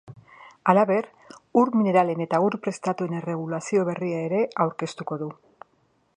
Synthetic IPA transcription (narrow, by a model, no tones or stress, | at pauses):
alaβe̞ɾ | uɾmine̞ɾale̞ne̞t̪auɾpɾe̞st̪at̪ue̞ne̞re̞ɣ̞ulasio̞βe̞riae̞ɾe̞awɾke̞st̪uko̞ðu